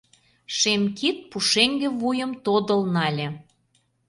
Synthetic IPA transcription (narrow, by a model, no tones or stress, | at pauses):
ʃemkit̪̚puʃeŋɡĕvujə̆mt̪od̪ə̆lnɑlʲĕ